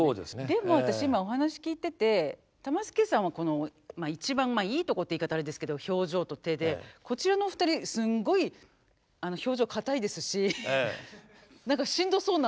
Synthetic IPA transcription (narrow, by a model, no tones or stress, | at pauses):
oːd̪ḛsed̪e̞mo̞βat̪aɕiimao̞ɦanaɕi̥kʲiːt̪e̞t̪e̞ | t̪amasɨ̥kesãɰ̃β̞ako̞no̞mait͡ɕibãmmaiːt̪o̞ko̞t̪ːiːkat̪aɾed̪esɨ̥ke̞d̪o̞ço̞ːʑo̞ːt̪o̞t̪e̞ːd̪e̞ko̞t͡ɕiɾano̞ɸɯ̟̥t̪aɾʲisɨ̃ŋɡo̞i | ano̞ço̞ːʑo̞ːkʰat̪aid̪e̞sɨɕi | nãŋkaɕĩnd̪o̞so̞ːna